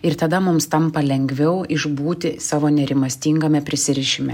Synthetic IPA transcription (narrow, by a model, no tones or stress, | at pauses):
ɪɾt̪ɐd̪ɐmʊmst̪ɐmpɐlʲɛŋʲɡʋʲɛʊɪʒbuːt̪ʲɪsɑːʋoːnʲɛɾʲɪmɐsʲt̪ʲiːŋɡɐmʲɛpʲɾʲɪsʲɪɾʲɪʃʲɪmʲɛ